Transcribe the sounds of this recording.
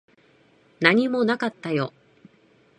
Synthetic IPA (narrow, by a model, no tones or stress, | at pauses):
naɲ̟imo̞nakat̪ːajo̞